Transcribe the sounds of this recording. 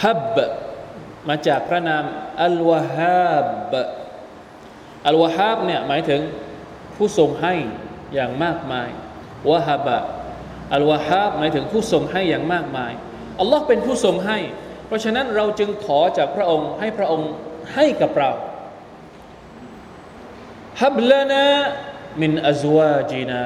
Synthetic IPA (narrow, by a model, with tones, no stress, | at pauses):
ha˦˥˩b | mːaː˧t͡ɕaː˨˩k̚pʰɾa˦˥naː˧mʔa˧˩lwa˧ɦaː˦˥b | ʔa˧lwa˧ɦaː˦˥˩p̚ni˥˩ɐmaː˩˦jt̪ʰɯ˩˦ŋ | pʰuː˥˩so˧ŋɦa˥˩jː | aː˨˩ŋmaː˥˩k̚maː˧j | wa˦ɦa˧ba˨ | ʔa˨lwa˧haː˦˥p̚maː˩˦jt̪ʰɯ˩˦ŋpʰuː˥˩so˧ŋɦa˥˩jːaː˨˩ŋmaː˥˩k̚maː˧j | ʔa˧lːɔ˦˥hpe˧npʰuː˥˩so˧ŋɦa˥˩jpʰɾɔ˦˥t͡ɕʰa˧na˦˥nɾa˧wt͡ɕɯ˧ŋkʰɔː˩˦t͡ɕaː˨˩k̚pʰɾa˦˥ʔo˧ŋha˥˩jpʰɾa˦˥ʔo˧ŋha˥˩jka˨˩p̚ɾa˧w | ha˦bla˦naː˦mi˧nʔa˨zwaː˥˩d͡ʒi˧naː˧